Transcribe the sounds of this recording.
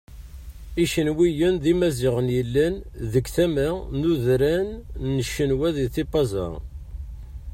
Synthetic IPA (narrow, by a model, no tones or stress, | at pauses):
iʃənwijənðimæziʁənjəlːænðəkθæmænuðɾænːəʃːənwæðiθibɑzɑ̰